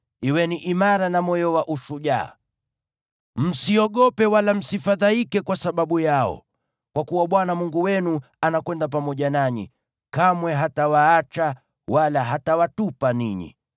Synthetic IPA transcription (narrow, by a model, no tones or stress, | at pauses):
iwɛniʔimaɾanamɔjɔwaʔuʃuʄa̰ː | m̩siɔɠɔpɛwalam̩sifaðaikɛkwasaɓaɓujaɔ̰ | kwakuwaɓwanamuŋɡuwɛnu | anakwɛndap̬amɔʄanaɲḭ | kamwɛɦatawaat͡ʃa | walaɦatawatupaniɲḭ